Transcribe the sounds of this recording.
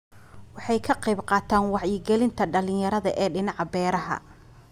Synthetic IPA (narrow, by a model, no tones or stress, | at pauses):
wɑħɑjkʰɐqɛːbqɑːt̪ʰaːnwɑʕjɪɡɛlɪnt̪ʰɐɖɐlɪ̃jɐɾɐðɐʔɛːɖɪnɑʕbɛːɾɐɦɐ̰